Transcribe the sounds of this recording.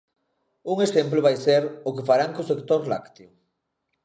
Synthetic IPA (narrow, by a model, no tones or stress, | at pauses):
uŋesemplʊβ̞ajseɾʊkefaɾaŋkosekt̪oɾla̰kt̪eo